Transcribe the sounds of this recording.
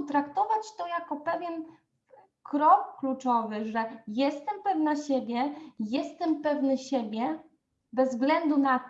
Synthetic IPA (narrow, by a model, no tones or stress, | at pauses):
t̪ɾakt̪ɔvat͡ɕt̪ɔjakɔpɛvʲjɛn | kɾɔkːlut͡ʂɔvɘʐɛjɛst̪ɛmpɛvnaɕebʲjɛjɛst̪ɛmpɛvnɘɕebʲjɛ | bɛzːvɡlɛnd̪una